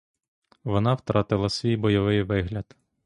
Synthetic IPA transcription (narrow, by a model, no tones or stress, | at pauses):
ʋɔnɑwt̪ɾɑt̪ɪlˠɐsʲʋʲijbɔjɔʋɪjʋɪɦlʲɐd̪̥